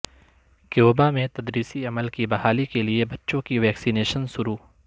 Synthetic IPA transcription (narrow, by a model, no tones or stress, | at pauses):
kjoːbamẽt̪ɐd̪ɾiːsiɐməlkibɐɦaːlikeliebɐtːʃõkiʋɛːksineːʃənsʊɾuː